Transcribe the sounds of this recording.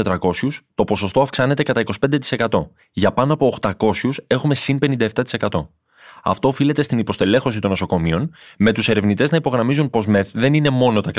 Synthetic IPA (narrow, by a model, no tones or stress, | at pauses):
et̪ɾɐko̞sust̪o̞po̞so̞st̪o̞ɐfksɐne̞t̪e̞kɐt̪ɐiko̞spe̞nd̪e̞t̪i̥se̞kɐt̪o̞ | ʝɐpɐnoɐpo̞ːxt̪ɐko̞sçuse̞xume̞sinpe̞nind̪ɐeft̪ɐt̪i̥se̞kɐt̪o̞ | ɐ̰ft̪o̞ːfile̞t̪e̞st̪inipo̞st̪e̞le̞xo̞sit̪onːo̞so̞ko̞mio̞nme̞t̪use̞ɾe̞vnit̪e̞znɐipoɣɾɐmizunpo̞zmeðe̞nine̞mo̞no̞t̪ɐk